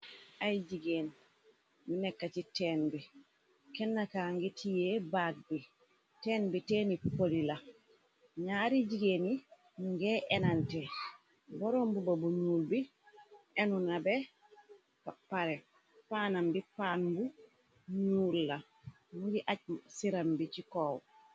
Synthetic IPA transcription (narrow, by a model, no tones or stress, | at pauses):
ʔajd͡ʒiɡeːn | minɛkːatitɛːnbi | kɛnːakaŋɡitʰijɛbat̚bi | tɛːnbitɛːnipolila | ɲaɾid͡ʒiɡeni | nuŋɡɛʔɛnantɛ | bɔɾɔmbubabuɲuːlbi | ʔɛnunabɛ | papaɾɛ | paːnambipanbu | ɲuːlːa | muɡiʔaɟsiɾambit͡ʃikɔːw